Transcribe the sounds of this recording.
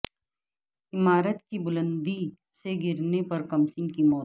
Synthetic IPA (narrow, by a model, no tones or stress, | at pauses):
ɪmaːɾət̪kibʊlə̃nd̪i | seɡɪɾnepɐɾkɐmsɪ̃ŋɡkimɔː